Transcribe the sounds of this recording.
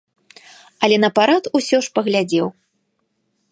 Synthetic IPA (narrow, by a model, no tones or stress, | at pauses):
ɐlʲɛnɐpaɾat̪usʲɔʂpɐɣlʲad͡zʲɛw